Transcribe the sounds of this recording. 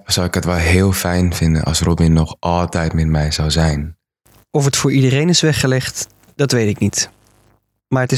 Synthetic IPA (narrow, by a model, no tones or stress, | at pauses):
sawɪkətʋɛlˠɦɪəlˠfɛjnfɪndə̰nʔɑ̰srobɪnːɔxʔɑlˠtɛjtmɛtmɛjzawzɛjn | ɔfətfʊːɹidərejnɪsʋɛχːəlɛχt | d̥ɑtʋejtɪknit | maːɹətɪ